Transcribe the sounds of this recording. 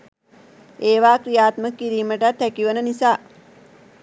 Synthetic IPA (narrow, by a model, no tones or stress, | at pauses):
eːʋaːkɾijaːt̪məkːiɾiːməʈat̪ːækiʋənənisaː